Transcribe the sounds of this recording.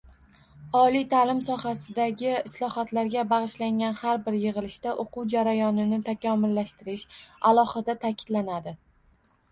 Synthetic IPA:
ɒlijt̪ʰalɪmsɒhasɪd̪aɡʲɪɪslˠɒhat̪laɾɡʲabaʁɨʃlaŋɡʲanhaɾbɪɾjɨʁɨlɪʃt̪aʔoqʰuwd͡ʒaɾajɒnɪnɪt̪ʰakʲɒmʊlːaʃt̪ɪɾɪʃalˠɒhɨd̪at̪ʰakʲʰɪ̥d̪lanad̪ɪ

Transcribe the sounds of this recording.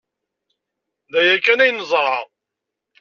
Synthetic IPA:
ðæjækːænæjnəzˤɾˤɑ

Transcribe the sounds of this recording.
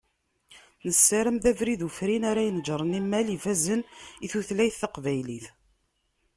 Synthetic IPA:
nəsːæɾəmðævɾiðufɾinaɾæjənd͡ʒɾˤənimːælifæzəniθuθlæjθːəqvæjliθ

